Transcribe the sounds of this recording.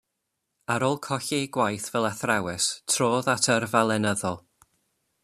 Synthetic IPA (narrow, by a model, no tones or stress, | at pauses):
aɾolˠkʰɔɬeɡwajθvɛlˠaθrawɛstʰroːðatʰərvalˠɛnəðɔlˠ